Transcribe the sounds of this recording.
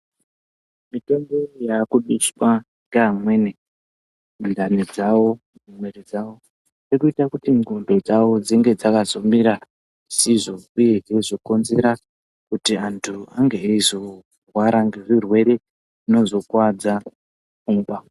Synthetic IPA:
mito̞mbo̞jakuɗuswa | ŋɡeamwe̞ne | ndaned͡zawo̞ | umwe̞ɾed͡zawo̞ | rekuitakutiŋumbe̞d͡zawo̞d͡ziŋɡe̞d͡zakazo̞miɾa | siʐo̞uje̞ʐezoko̞nze̞ɾa | kutiantʰuaŋɡeizo̞ | rwaɾaŋɡe̞ʐirwe̞ɾe̞ | ino̞zo̞kwad͡za | uːmba

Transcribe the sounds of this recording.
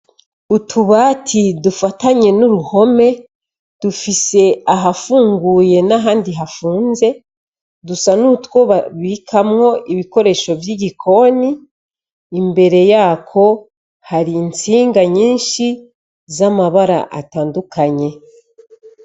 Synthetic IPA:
utʰuβatʰidufataɲe̞nuɾuho̞me̞ | d̥ufise̞aɦafuːŋɡuje̞naɦaːndiɦafuːnze̞ | dusanutwo̞βaβikʰamŋo̞ʔiβiko̞ɾe̞ʃo̞vjiɟikʰo̞niː | mbe̞ɾe̞jaːkʰo̞ | haɾint͡siːŋɡaɲiːnʃi | zamaβaɾa̰ʔa̰taːndukʰaɲe̞

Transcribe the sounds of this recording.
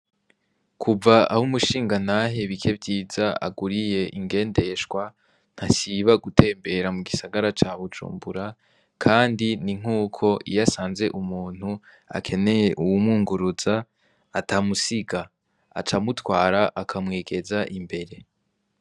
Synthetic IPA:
kʰuvaahumuʃiːŋɡanaɦe̞βikʰe̞vɟiːzaa̰ɡuɾije̞ʔiŋɡe̞ːnde̞ʃɡwa | n̥hasiβaɡutʰe̞ːmbe̞ɾamuɡisaɡaɾat͡ʃaːβud͡ʒṵːmbuɾa | kʰaːndiniŋ̥uːkʰo̞ʔijasaːnze̞ʔumuːn̥hu | a̰kʰe̞ne̞je̞ʔuwumuːŋɡuɾuz̥aː | tamusiɡa | a̰t͡ʃamutwaːɾaʔakʰamŋeːɡe̞zaʔimbe̞ɾe̞

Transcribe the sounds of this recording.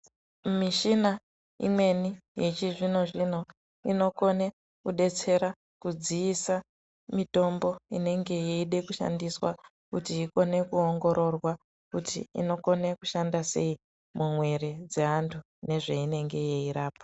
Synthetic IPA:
miʃina | ḭmwe̞nijet͡ʃiʐino̞ʐino̞ | ino̞ko̞ne̞ | kuɗe̞t͡se̞ɾa | kud͡ziːsa | mito̞mbo̞ine̞ŋɡe̞jeiɗe̞kuʃa̰ndiswa | kutiːko̞ne̞kuoŋɡo̞ɾʔo̞rwa | kutḭḭno̞ko̞ne̞kuʃandase̞i | mʔumwe̞ɾe̞d͡ze̞ɦantʰu | ne̞ʐeine̞ŋɡe̞jeiɾaːpḁ

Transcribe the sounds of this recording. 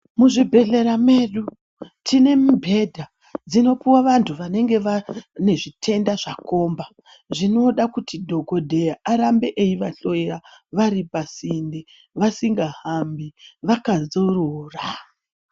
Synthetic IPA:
muʐibʱe̞ɬe̞ɾame̞ɗu | tʰine̞mubʱe̞dʱa | d͡zino̞piwaʋantʰuʋane̞ŋɡe̞ʋane̞ʐitʰe̞ndaʐako̞ːmba | ʐino̞ɗakutidʱo̞ɡʱo̞dʱe̞jaʔaɾambe̞ʔejiʋaɬo̞eraʋaɾipasinde | ʋasiŋɡahambiʋakazoroːra

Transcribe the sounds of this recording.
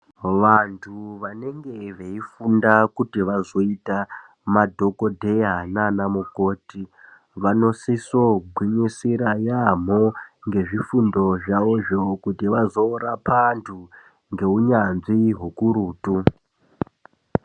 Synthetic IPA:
ʋantʰuʋane̞ŋɡe̞ʋeifundakutiʋazo̞ita | madʱo̞kodʱejananamukoːti | ʋano̞sisoɡʱwiɲisiɾajam̤oŋɡe̞ʐifundo̞ʐaoʐokutiʋazoːɾapantʰu | ŋɡe̞uɲanziɦukuɾuːtu

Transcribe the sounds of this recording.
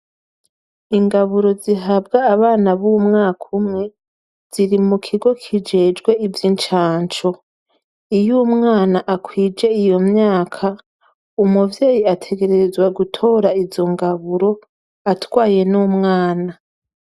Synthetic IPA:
iŋɡaβuɾo̞ziɦabɡaːβaːnaβumŋaːkʰumŋe̞ | z̥iɾimukʰiɡo̞kʰid͡ʒe̞ːd͡ʒɡwe̞ivjint͡ʃaːnt͡ʃo̞ | ijumŋaːnaʔakwiːd͡ʒe̞ijo̞mɲaːkʰa | umuvjeːjiatʰe̞ɡe̞ɾe̞zwaɡutʰo̞ːɾaizo̞ŋɡaβuɾo̞ | atwaːje̞nuːmŋaːna

